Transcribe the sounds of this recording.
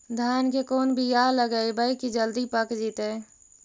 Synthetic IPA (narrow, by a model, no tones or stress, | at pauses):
d̪ʱankekoːnbʱijaləɡəibəjkid͡ʒəld̪ipəkd͡ʒit̪e